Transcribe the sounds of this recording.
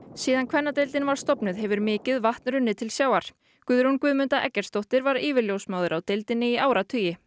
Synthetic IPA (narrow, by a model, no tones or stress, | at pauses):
siːðankʰvɛnːat̪ejlt̪ɪnvaɾ̥st̪ɔpnʏðɦɛvʏɾmɪːcɪðvaht̪nɾʏnːɪt̪ʰɪlsjaːwaɾ̥ | kʏðɾunkvʏːðmʏnt̪aʔɛ̰cːɛɾ̥st̪owht̪ɪɾvaɾɪːvɪɾljowsmawðʏɾawt̪ejlt̪ɪnːɪiaːwɾat̪ʰʏːjɪ